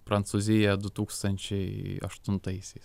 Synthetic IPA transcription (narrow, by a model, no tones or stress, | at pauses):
pɾɐnt̪suːzʲɪjɛd̪ʊt̪uːkst̪ɐnʲt͡ʃʲɛɪɐ̰ʃt̪ʊnt̪ɐɪsʲɛɪs